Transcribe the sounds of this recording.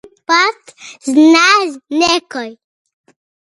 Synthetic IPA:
patznaznekoj

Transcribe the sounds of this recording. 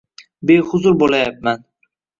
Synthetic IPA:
bejhʊzʊɾbolˠajap̚man

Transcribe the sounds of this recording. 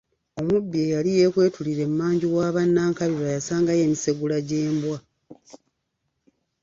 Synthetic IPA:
o̞mubːiejalije̞ːkwe̞ːtuliɾe̞mːaːɲɟiwaːβanːaːŋkaβiɾajasaːŋɡaje̞ːmise̞ɡulaɟe̞ːmbwa

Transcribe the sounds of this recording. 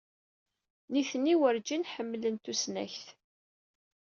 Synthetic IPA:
niθənːiwəɾd͡ʒinħəmːlənt̪usnæ̰çθ

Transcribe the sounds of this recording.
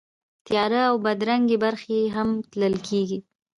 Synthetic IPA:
t̪jɑɾəawbad̪ɾaŋɡebaɾxeɦamt̪ləlkʰeɡi

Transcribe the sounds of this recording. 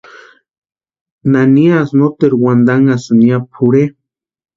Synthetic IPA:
naniasnot̪eɾwand̪aŋasɨniapʰuɾe

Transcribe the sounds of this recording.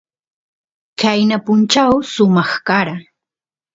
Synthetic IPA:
kajnapʊnt͡ʃawsʊmɑχkaɾa

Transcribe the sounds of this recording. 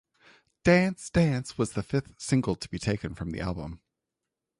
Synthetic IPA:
d̥æ̃nsd̥æ̃nswʌzðɨfɪθsɪ̃ŋɡl̩ˠtʰəb̥itʰeɪkɨ̃nfɹʌ̃mðḭʔæ̰lˠbə̃m

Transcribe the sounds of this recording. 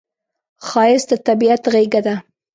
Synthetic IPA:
xɑjɪsd̪ət̪abiat̪ɣeɡad̪a

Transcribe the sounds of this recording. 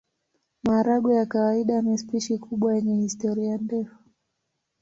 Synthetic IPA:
maːɾaɡɔjakawaiɗamɛspiʃikʰuɓwajɛɲɛhistɔɾiajandɛfu̥

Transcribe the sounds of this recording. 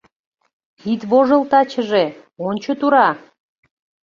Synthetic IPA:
it̪βoʒə̆lt̪ɑt͡ɕəʒe | onʲt͡ɕot̪uɾɑ

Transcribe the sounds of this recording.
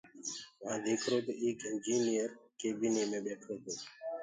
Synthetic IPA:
ʋãːd̪ʱeːkʰɾoːt̪oːeːkɪnd͡ʒiːnijəɾkeːbiːneːmẽːɓeːʈʰɾoːt̪oː

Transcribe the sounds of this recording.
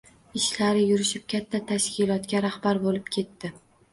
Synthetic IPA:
ɪʃlaɾɪjʊɾɪʃɪp̚kʲʰat̪ʰːat̪ʰaʃkʲɪlˠɒt̪kʲaɾahbaɾbolɪp̚kʲʰe̞t̪ːɪ

